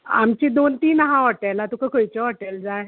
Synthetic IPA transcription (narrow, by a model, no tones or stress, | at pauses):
a̰mt͡ɕid̪ont̪iːnɦãɦɔʈajlat̪ukəkʰojt͡ɕɔɦɔʈeld͡zaj